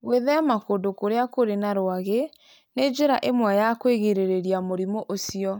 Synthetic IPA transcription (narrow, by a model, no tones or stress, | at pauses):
ɣweðɛamakondokoɾeakoɾenaɾoaɣe | ned͡ʒeɾaʔemwɛjakweɣeɾeɾeɾiamoɾimoʔosiɔ